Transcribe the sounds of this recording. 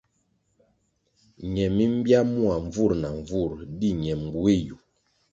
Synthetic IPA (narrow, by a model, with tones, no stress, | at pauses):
ɲɛ˨mi˦m̩˦bja˦mu˦a˨ɱ˨vu˦˨ɾna˨ɱ˨vu˦˨ɾdi˦ɲɛ˨m˨ɡu˦e˦ju˨